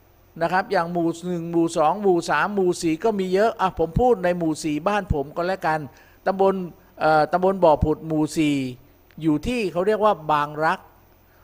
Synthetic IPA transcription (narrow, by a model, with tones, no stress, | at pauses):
na˦˥kʰɾa˦˥p̚jaː˨˩ŋmuː˨˩nɯ˨˩ŋmuː˨˩sɔː˩˦ŋmuː˨˩saː˩˦mːuː˨˩siː˨˩kɔː˥˩miː˧jɤ˦˥ʔa˧˩pʰo˩˦mpʰuː˥˩t̪̚na˧jmuː˨˩siː˨˩baː˥˩npʰo˩˦mkɔː˧lɛ˦˥ʔka˧n | t̪a˧mbo˧n | ʔɤː˨˩t̪a˧mbo˧nbɔː˨˩pʰu˨˩t̪̚muː˨˩siː˨˩ | juː˨˩t̪ʰiː˥˩kʰa˦˥wɾi˥˩ək̚waː˥˩baː˧ŋɾa˦˥k̚